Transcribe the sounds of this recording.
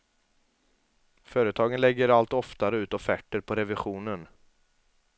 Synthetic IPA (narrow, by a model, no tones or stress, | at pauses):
fœːɾət̪ʰɑːɡənlɛɡːəɾalt̪ɔft̪aɾəʉ̟ːt̪ɔfæʈːəɾpʰɔɾɛvɪɧuːnən